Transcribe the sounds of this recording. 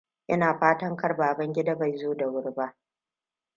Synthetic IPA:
ʔɪ˦naː˨ɸaː˦tɐ˦ŋkɐ˦rbaː˨bɐ˦ŋɡʲɪ˦da˦ba˨jzoː˦da˨wʊ˦rba˦ʔ

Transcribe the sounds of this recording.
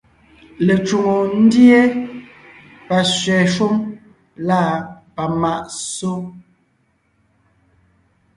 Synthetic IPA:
le˨t͡ʃu˨ŋo˨n̩˦dje˦ | pa˨sɥɛ˨ʃu˦m | la˦˨pa˨ma˨ʔso˦

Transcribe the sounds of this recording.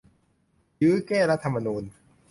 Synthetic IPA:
jɯː˦˥kɛː˥˩ɾa˦˥t̪ʰːa˧mːa˧nuː˧n

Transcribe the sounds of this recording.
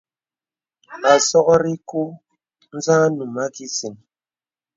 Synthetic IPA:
a˨sɔ˦ɣɔ˦ɾi˦ku˦ | n̩˦zãː˦nu˨ma˦ki˦si˨n

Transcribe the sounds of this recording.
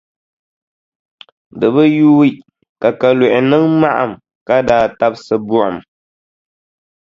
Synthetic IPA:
dɨ˨bɨ˦ju˦wi˦ | ka˨ka˨lu˨ʔɪ˨nɨ˦ŋma˦ʔa̰˨m | ka˦daː˨ta˦b̚sɨ˦bu˦ʔa̰˨m

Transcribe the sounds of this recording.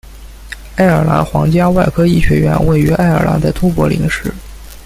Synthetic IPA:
a˥˩ɪə˞˨˩la̰˧˥xwɑ̰˧˥ŋt͡ɕja˥wa˥˩ɪkʰɤ˥i˥˩ɕɥɛ˧˥ɥɛ̰˧˥nwe˥˩ɪy˧˥a˥˩ɪə̰˞˨˩la̰˧˥nd̪ə˧˩t̪ʰu˥pwɔ˧˥lḭ˧˥ŋʂɻ̩˥˩

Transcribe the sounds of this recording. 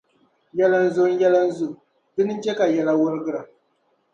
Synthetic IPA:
jɛ˦la˦n˦zo˦n˦jɛ˦la˦n˦zʊ˦ | dɨ˦nɨ˦t͡ʃe˦ka˨jɛ˦la˦wʊ˦ɾɨ˦ɡɨ˦ɾa˨

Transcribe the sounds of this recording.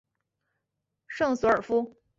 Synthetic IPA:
ʂɤ˥˩ŋsɔ˧˥ə˞˨˩fu˥

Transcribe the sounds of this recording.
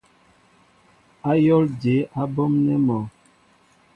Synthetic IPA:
a˦jɔ˦ld͡ʒe˨˦ʔa˦bɔ˦mnɛ˦mɔ˨

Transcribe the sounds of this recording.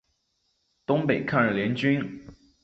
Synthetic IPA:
t̪ʊ˥ŋpe˨˩ɪkʰa˥˧nə˥˩ljɛ˧˥nt͡ɕy˥n

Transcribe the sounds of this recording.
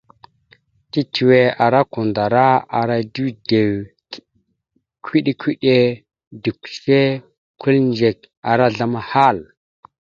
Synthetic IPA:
ti˦tʰi˨we˨a˨ɾa˦ku˨nda˨ɾa˦a˨ɾa˦du˦de˨w | kʰi˦ɗi˦kʰʷi˦ɗe˦ | du˨kse˦ | ku˦lnd͡ʒe˨k̚ | a˨ɾa˦ɮa˦ma˦ha˦˨l

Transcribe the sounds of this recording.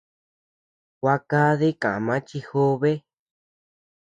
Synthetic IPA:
kʷa˧ka˦ðe˦kã˨a˨mã˦t͡ʃi˧xo˦βe˦

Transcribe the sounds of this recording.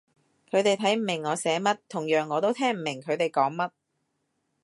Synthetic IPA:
kʰɵ˨˧ɥt̪e˨jt̪ʰɐ˨˥jm̩˨˩mɪ˨˩ŋːɔː˨˧sɛː˨˥mɐ˥t̚t̪ʰʊ˨˩ŋjœː˨˩ŋːɔː˨˧t̪o˥wt̪ʰɛː˥ŋm̩˨˩mɪ˨˩ŋkʰɵ˨˧ɥt̪e˨jkɔː˨˥ŋmɐ˥t̚

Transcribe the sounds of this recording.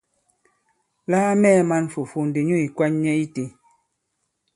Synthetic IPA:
laː˦mɛː˦˨ma˦n˨fu˨fu˨n̩˨de˨ɲo˦˨i˨kwa˦ɲɲɛ˦i˦ti˨

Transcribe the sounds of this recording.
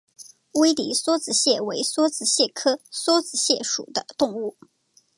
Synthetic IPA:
we˥ɪlḭ˨˥swɔ˥t͡sɹ̩˨˩ɕjɛ˥˩we˧˥ɪswɔ˥t͡sɹ̩˨˩ɕjɛ˥˩kʰɤ˥swɔ˥t͡sɹ̩˨˩ɕjɛ˥˩ʂṵ˨˩d̪ə˦t̪ʊ˥˧ŋu˥˩

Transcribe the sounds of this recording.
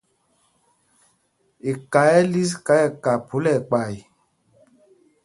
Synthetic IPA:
e˨ka˨˦jɛ˦li˦s̬ka˨˦ɛ˨ka˨pʰo˨˦lɛ˨k͡pa˨j

